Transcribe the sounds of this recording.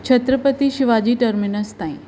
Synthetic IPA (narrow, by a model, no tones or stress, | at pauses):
t͡ɕʰɐt̪ɾəpət̪iʃɪʋad͡ʑiːʈəɾmɪnəst̪aːḭ̃